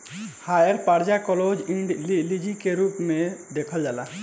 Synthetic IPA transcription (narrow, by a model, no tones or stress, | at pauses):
hajəɾpaɾd͡ʒakɔlod͡ʒĩɳɖlid͡ʒikeɾuːpmẽd̪ekʰəld͡ʒaːla